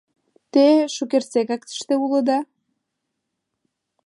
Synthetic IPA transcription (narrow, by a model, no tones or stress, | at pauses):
t̪eʃukersekɑk̚t̪ə̥ʃt̪eulə̆d̪ɑ